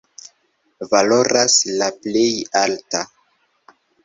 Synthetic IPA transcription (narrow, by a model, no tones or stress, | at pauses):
valo̞ɾaslaple̞jalta